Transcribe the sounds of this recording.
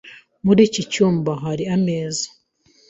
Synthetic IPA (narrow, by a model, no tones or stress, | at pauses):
muɾiːcit͡ʃuːmbaɦaɾiameːzḁ